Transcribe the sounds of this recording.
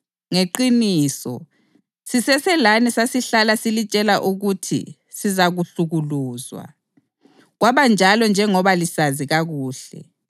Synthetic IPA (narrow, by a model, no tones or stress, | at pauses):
ŋeǃiniːsɔ̰ | sisɛsɛlanisasiɬalasilit͡ʃʼɛlaʔuɣutʰḭ | sizaɣuɬuɣuluːzwa̰ | ɣwaβand͡ʒʱalɔnd͡ʒʱɛŋɔβalisaziɣaɣuːɬɛ̰